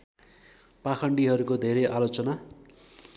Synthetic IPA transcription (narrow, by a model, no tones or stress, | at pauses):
pakʰʌɳɖiɦʌɾukod̪ʱeɾeʔalot͡sʌna